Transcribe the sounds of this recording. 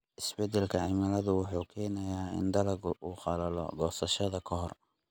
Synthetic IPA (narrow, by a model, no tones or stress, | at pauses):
ʔɪsbɛd̪ɛlkʰɐʕɪmɐlɐðʊwɑħuːkʰɛːnɐjaːɪ̰nd̪ɐlɐɡuːχɑlɐlɔ̰ɡɔːsɐʃɐðɐkʰɔɦɔr